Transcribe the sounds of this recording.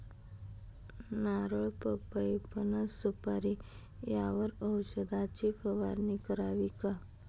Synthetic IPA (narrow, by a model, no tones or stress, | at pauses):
naɾəɭpəpəjpənəsupaɾi | jaʋəɾəwɕəd̪at͡ɕipəʋaɾnikəɾaʋika